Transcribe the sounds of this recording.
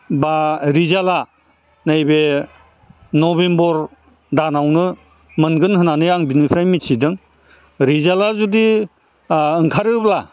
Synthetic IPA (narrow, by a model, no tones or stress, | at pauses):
baɾizala | najbe | nɔbembɔɾ | danawnɯ | mɯnɡɯnhɯnanɯjaŋbinipʰɾajmitʰidɯŋ | ɾizalazudi | ɯŋkʰaɾɯp̚la